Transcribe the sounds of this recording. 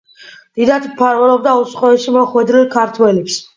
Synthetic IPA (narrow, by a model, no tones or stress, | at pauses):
d̪̥id̪at̪ʰmpʰaɾvɛlɔb̚d̪aut̪sqʼɔɛʃimɔχwɛd̪ɾilkʰaɾt̪ʰwɛlɛps